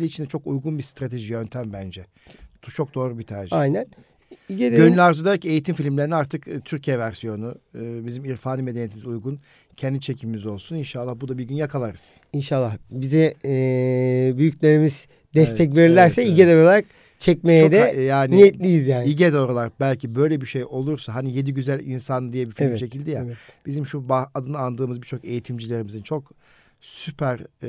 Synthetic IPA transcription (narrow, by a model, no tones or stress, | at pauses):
lʲiːt͡ʃʰind̪ɛt͡ʃʰo̞kujɡunbist̪ɾat̪ʰe̞ʒijø̞nt̪ʰæmbænd͡ʒɛ | t̪ʰut͡ʃʰo̞k̚d̪o̞ːɾubit̪ʰaɾʒiajnæn | iɟed̪ønylʲaɾzud̪aɾace̞jit̪ʰimfilʲimlʲeɾiniaɾt̪ʰɯkːt̪ʰyɾcʰijɛvæɾsijo̞nuːbizimiɾfaːnimed̪enjet̪ʰimizujɡun | cʰɛnd̪it͡ʃʰe̞cʰiimizo̞lˠsuninʃalˠːahbud̪abiɾɟynjakʰalˠaɾɯz̥ | inʃalˠːahbizɛ | byjyclʲeɾimiz̥ | d̪ɛsʰɛc̬veɾilʲæɾsɛiɟed̪ɛɾoaɾak̚ | t͡ʃʰɛc̚mejɛd̪ɛjaːninijɛt̪lʲijizjaːniɟed̪oɾolˠaɾbælʲcʰibø̞jlʲebiʃejʔo̞lˠuɾsaɦanije̞d̪iɟyzælʲinsand̪ijɛbifit͡ʃe̞cʰilʲd̪ijab̥izimʃubaad̪ɯnɯand̪ɯːmɯzbiɾt͡ʃʰo̞ke̞jit̪ʰimd͡ʒilʲe̞ɾimizint͡ʃʰo̞k | sypʰæɾ